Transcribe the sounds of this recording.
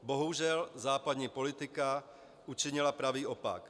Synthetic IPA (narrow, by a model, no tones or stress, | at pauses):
boɦuʒɛlzaːpad̪ɲiːpo̞lɪt̪ɪka | ut͡ʃɪɲɪlapɾaviːʔopa̰k